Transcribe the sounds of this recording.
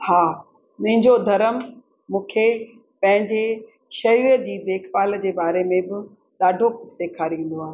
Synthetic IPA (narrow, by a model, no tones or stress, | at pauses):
haː | nɐ̃ɦɪ̃ɲd͡ʑod̪ʱɐɾəm | mũːkʰe | pɐ̃ɦɪ̃ɲd͡ʑe | ʃɐɾiɾəd͡ʑiːd̪eːkʰpaːld͡ʑeːbaːɾemẽbɪ | ɗ̪aːɖʱoseːkʰaɾĩːn̆d̪oaːɦe